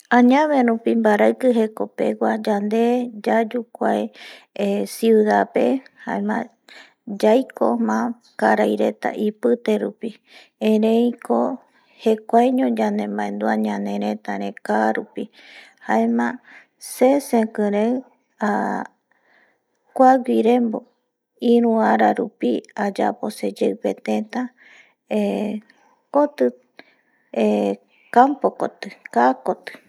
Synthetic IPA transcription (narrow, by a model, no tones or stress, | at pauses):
ãɲãβeɾũpimbaɾaɨkɨɦe̞ko̞pe̞̰ɡʷad͡ʒand̪e̞d͡ʒad͡ʒukʷaj | siuðape̞ha̰emã̰ | d͡ʒajko̞mã | kaɾajɾe̞t̪a̰ʔipɨt̪e̞ɾupi | ẽɾẽjko | he̞kʷajɲõd͡ʒand̪ẽmbãẽnd̪uaɲãnẽɾẽt̪aɾẽkaɾupi | haemã | sesẽkɨ̃ɾew | a | kʷaɡʷiɾẽmbo | ĩɾũaɾaɾṵpiad͡ʒa̰posed͡ʒeɨpet̪ẽt̪a | e | kot̪ɨ | e | kampoko̰t̪ɨkakot̪ɨ̥